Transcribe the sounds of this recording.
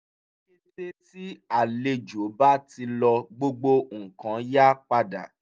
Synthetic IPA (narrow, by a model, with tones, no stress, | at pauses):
i˦te˦ti˦a˨le˧d͡ʒo˨˦ba˦ti˧lɔ˧ɡ͡bo˦ɡ͡bo˧ŋ̩˨kã˨˦ja˦k͡pa˧da̰˨